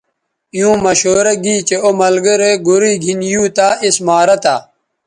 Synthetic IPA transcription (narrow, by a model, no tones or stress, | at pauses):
jũːmɐɕoːɾɐɡiːt͡ɕeomɐlɡɐɾeːɡuɾiːɡʱinjuːt̪aːismaːɾɐt̪a̰ː